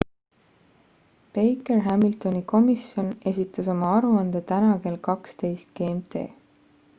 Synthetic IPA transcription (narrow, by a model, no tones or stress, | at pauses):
pejkerɦæmilt̪o̞niko̞misjo̞ne̞sʲit̪ːˑɑso̞mɑɑɾuɑnd̪̥et̪ænɑke̞ːlkɑkst̪e̞jst̪ɡ̥eːmt̪e̞̰ː